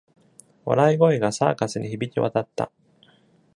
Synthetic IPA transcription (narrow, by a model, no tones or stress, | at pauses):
βa̰ɾaiɡo̞iɡasa̰ːkasɨɲ̟içibʲit͡ɕʲiβa̰t̪at̪ːa̰